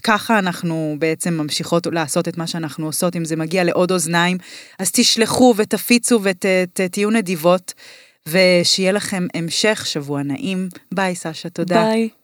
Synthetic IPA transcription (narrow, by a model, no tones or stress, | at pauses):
kaχaːnaχnubeet͡se̞mːamʃiχo̞tlaːso̞te̞tmaʃeanaχnuoso̞timzemaɡiale̞ʔo̞do̞znaimazt̪iʃleχuvetafit͡suvetettijune̞divo̞t | ve̞ʃejelaχe̞me̞mʃe̞χʃavuana̰ʔimbajsaʃatoda